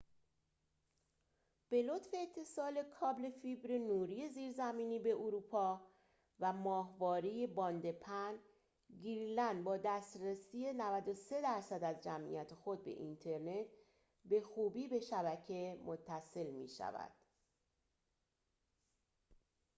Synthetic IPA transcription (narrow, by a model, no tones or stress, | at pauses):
b̥e̞lo̞t̪fe̞ːt̪ʰːe̞sɒːle̞kʰɒːble̞fibɾenuːɾije̞ziːɾzæmiːniːbe̞ʔoɾuːpʰɒː | væmɒːɦvɒːɾije̞bɒːnd̪e̞pʰæn | ɡiɾlænd̪bɒːd̪æst̪ɾesiːje̞nævæd̪o̞se̞d̪æɾsæd̪æzd͡ʒæmʔḭjæt̪ʰexo̞d̪̚be̞̰ʔint̪ʰe̞ɾne̞t̪ʰ | be̞xuːbiːbe̞ʃæβæcʰe̞mo̞t̪ʰːæse̞lmḭːʃæ̰væ̰d̪̥